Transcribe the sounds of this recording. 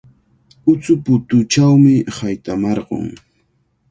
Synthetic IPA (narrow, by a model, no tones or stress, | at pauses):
ʊt͡sʊpʊt̪ʊt͡ʃawmɪhajt̪amɑɾɢo̰ŋ